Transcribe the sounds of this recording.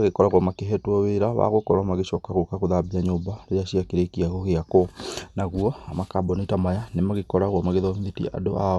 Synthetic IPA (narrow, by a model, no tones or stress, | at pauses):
ɣekɔɾaɣwɔmakeɦɛtwɔweɾaβa̰ɣokɔɾwamaɣeʃɔkaɣokaɣoðabiaɲoːmbaɾeaɕiakeɾekiaɣoɣeakonaɣwɔamakabɔnitamajanemaɣekɔɾaɣwɔmaɣeðɔmðitḭa̰do̰a